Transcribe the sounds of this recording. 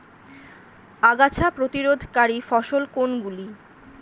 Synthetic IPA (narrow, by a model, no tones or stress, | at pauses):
aɡat͡ɕʰapɾot̪iɾod̪ʱkaɾifɔʃolkonɡuli